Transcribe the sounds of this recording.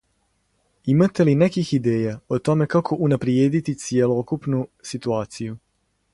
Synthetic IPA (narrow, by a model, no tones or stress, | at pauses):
imat̪e̞linekixid̪eːjaot̪o̞me̞kakʰo̞ʔunapɾjeːd̪it̪it̪sije̞lo̞kupnusit̪uaːt̪siju